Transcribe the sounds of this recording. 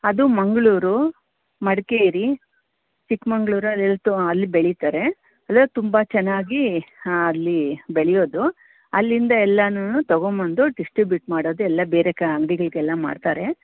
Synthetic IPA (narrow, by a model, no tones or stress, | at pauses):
ɐd̪umɐŋɡɐɭuːɾu | mɐɽkeiɾi | t͡ʃikmɐŋɡɭuːɾuɐɛlːɐt̪uɐlːibeɭit̪aːɾe̞ | ɐlːɐt̪umbɐt͡ʃɛnːaːɡiɐlːibeɭɛjo̞ːd̪u | ɐlːind̪ɐɛlːɐnunut̪ɐɡomɐnd̪uɖisʈɾibjuʈmaːɽoːd̪uɛlːɐbeːɾekɐɐŋɡɽiɡɐɭiɡɛlːɐma̰ːɖt̪aːɾe̞